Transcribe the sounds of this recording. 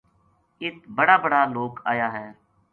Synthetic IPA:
ɪt̪bəɽaːbəɽaːloːkaːjaːɦɛː

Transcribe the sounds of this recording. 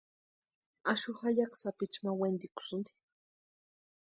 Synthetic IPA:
aʃʊxajaksapɪt͡ʃmawend̪ikʊ̥sʊnd̪i̥

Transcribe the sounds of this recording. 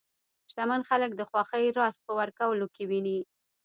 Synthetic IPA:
ʃt̪amanxalək̚d̪əxwɑxəjɾɑspəwaɾkawəlokewini

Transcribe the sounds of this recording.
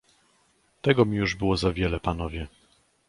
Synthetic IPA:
t̪ɛɡɔmʲijuʐbɘwɔzavʲjɛlɛpanɔvʲjɛ

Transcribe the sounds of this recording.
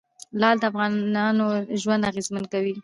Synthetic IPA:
lɑd̪əafɣɑɑnoʒwand̪aɣezmankawi

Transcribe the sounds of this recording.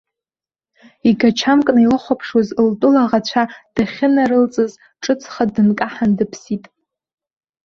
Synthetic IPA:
iɡat͡ʃʰamkʼnailɨχʷapʰʂozltʼʊlaʁat͡ɕʷʰad̥aχʲɪnaɾɨlt͡sʼɨz | ʈ͡ʂʼɨt͡sʰʼχadɨnkʼaħandɨpʰsitʼ

